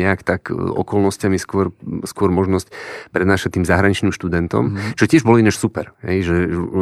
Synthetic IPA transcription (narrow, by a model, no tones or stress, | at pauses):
ɛakt̪akɔ̰kɔlnɔscamiskʊɔɾskʊɔɾmɔʒnɔscpɾɛd̪naːʃat̪ːiːmzaɦɾaɲit͡ʃniːmʃt̪ud̪ɛnt̪ɔ̰mʒɛcɪɛʒbɔliɲɛʃsupɛɾɦɛ̰jʒɛ